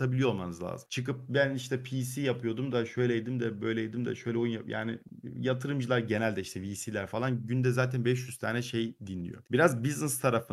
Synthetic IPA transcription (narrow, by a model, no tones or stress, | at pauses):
abilʲijo̞ɾˠmanɯzlˠa̰ːzɯmt͡ʃʰɯkɯp̚bæniʃt̪ʰɛpʰiːsijapɯjo̞d̪umd̪aʃø̞jlʲɛjed̪imd̪ɛbø̞jlʲɛjed̪imd̪a̰ʃøjlʲɛojunjaja̰ːnɪ̰jat̪ʰɯɾɯmd͡ʒɯlˠaɾɟe̞nælʲd̪ɛiʃt̪ʰɛviːsiːlʲæɾfalˠanɟynd̪ɛzaːt̪ʰænbɛʃ̬jyz̥t̪ʰaːnɛʃejd̪inlʲḭjo̞̰biɾazbiznɛst̪ʰaɾafɯ